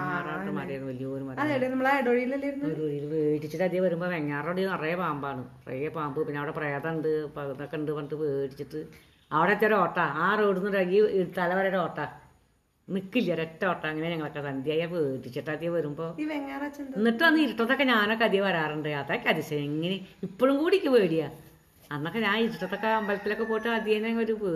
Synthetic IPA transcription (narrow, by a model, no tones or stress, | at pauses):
eːaːraːʋɐmaːɾɐnʋɐlijɐoːɾumɐɐðeɽenɐmːɐɭaeɽoɻijilːɐlːɐiɾunːeɽoɻijilpeːʈːit͡ɕːɐʈːɐd̪jɐʋɐɾumbo̞ːʋeŋːaːroɽijɐrɐjɐpaːmbaːɳɨɐrḛjɐpaːmbɨpinːeɐʋiɽepreːt̪ɐɳɖɨpɐnokːeɳɖɨpɐʈɨpeːʈit͡ɕːiʈːɨ | ɐʋiɽeɐt̪ːijoɾoːʈːɐaːreːɽunːɐɾɐɡiet̪ːaːlɐʋɐɾeɾoːʈːɐ | nikːilːɐɾetːɐoːʈːɐɐŋːɐneɲɐŋːɐɭokːet̪ɐnd̪jaːjɐpeːʈit͡ɕːɐʈːɐd̪ijɐʋɐɾumbo̞ːiʋeŋːarɐt͡ɕːɐnnːiʈːɨmɐnːɨiɾiʈːɐt̪̬ːo̞kːeɲaːno̞kːeɐd̪ijɐpɐɾaːrɨɳɖɨat̪ːaːkʲːɐd̪isɐjɐiŋːɐneipːoɻumkuːɽikʲːɨʋeːɽija | ɐnːokːeɲaːniɾiʈːɐt̪ːokːeɐmbɐlɐt̪ːilo̞kːepoːjiʈːɨɐd̪jɐnːeɐŋːɐɭoɾupe